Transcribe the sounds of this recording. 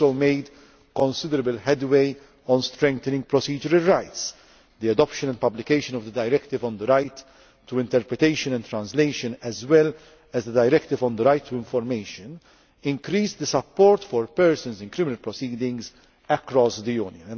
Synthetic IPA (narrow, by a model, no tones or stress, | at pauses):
omeɪd̪ | kɔ̃nsɪd̪əɾəbəlħɛd̪weɪ | ɔ̃nst̪ɾɛ̃ŋk̚t̪ɛnɪ̃ŋɡ̚pɾɔsiːd͡ʒəɾəlɹajt̪s | d̪iɐd̪ɔpʃə̃nɛnd̪pɐblɪkeɪʃə̃nɔvd̪əd̪ɐjɾɛkt̪ɪvɔ̃nd̪əɾajt̪ː | uɪ̃nt̪ɛɾpɾɛt̪eɪʃə̃nɛ̃nt̪ɾɐ̃nsleɪʃɨ̃nɛzwɛl | ɛzd̪əd̪ɐjɾɛkt̪ɪvɔ̃nd̪əɾajt̪ːuɪ̃ɱfɔɾmeɪʃɨ̃n | ɪ̃ŋkɾiːsd̪əsɐpːɔːɾt̪fɔɾpɛɾsə̃nsɪ̃nkɾɪmɪnɐlpɾɔsiːd̪ɪ̃ŋɡz | ɛkɾɔsd̪ijuːnjə̃ñ